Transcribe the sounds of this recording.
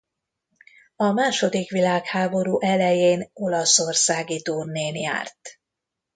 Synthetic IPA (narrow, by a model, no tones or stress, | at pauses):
ɒmaːʃo̞d̪ikʋilaːkhaːbo̞ɾuːʔɛlɛjeːno̞lɒso̞rsaːɡit̪urneːnja̰ːrt̪